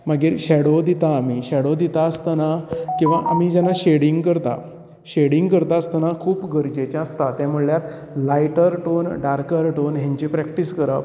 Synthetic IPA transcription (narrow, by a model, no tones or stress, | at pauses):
maɡiːɾɕɛɽod̪it̪aːmiɕɛɽod̪it̪aəst̪anakĩw̃ʋaʔamid͡ʑanːaɕeɽiŋɡkəɾt̪a̰ | ɕeɽiŋɡkəɾt̪aəst̪anakʰuːpɡəɾd͡ʑet͡ɕjãəst̪at̪jamuɽɭjat̪ | lajʈəɾʈonɖaɾkəɾʈonɦãɲt͡ɕipɾɛkʈiskəɾəp